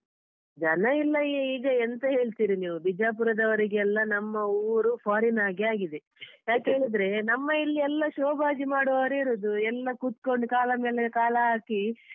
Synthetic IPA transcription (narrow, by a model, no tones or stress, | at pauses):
d͡ʒɐnɐilːɐeiːɡɐent̪ɐɦe̞ːɭt̪iːɾiniːʋubid͡ʒaːp̬uɾɐd̪ɐʋɐɾiɡeɛlːɐnɐmːɐuːɾupʰaːɾinaːɡiaːɡid̪e | jaːkɦe̞ːɭid̪ɾe̞nɐmːɐilːiɛlːɐʃoːbʱaːd͡ʒimaːɽɔʋaːɾeːɾoːd̪uɛlːɐkuːt̪ko̞ɳɖukaːlɐmeːlekaːlɐɦaːki